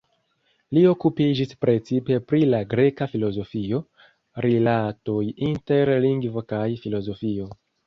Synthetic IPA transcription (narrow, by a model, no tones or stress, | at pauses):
lio̞kupid͡ʒispɾe̞t͡sipe̞pɾilaɡɾe̞kafilo̞zo̞fio̞ | ɾilatojinte̞ɾliŋɡvo̞kajfilo̞zo̞fio̞